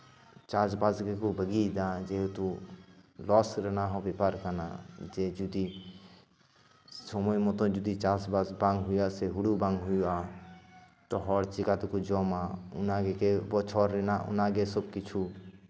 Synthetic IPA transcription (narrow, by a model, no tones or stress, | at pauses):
t͡ʃaːsbaːzɡekubəɡid̪ad͡ʒet̪u | lɔːsɾɛnaɦɔbepaːɾkana̰d͡ʒed͡ʒud̪i | somojmot̪õd͡ʒud̪it͡ʃaːsbaːzbãːŋɡɦʊjaseɦʊɽubãːŋɡɦʊjua | t̪ɔɦɔːɽt͡ʃɪkaːt̪kud͡ʒɔːmaʊnaɡekebɔt͡ʃʰɔːɾɾenaʔʊ̰naɡesəbkɪt͡ʃʰu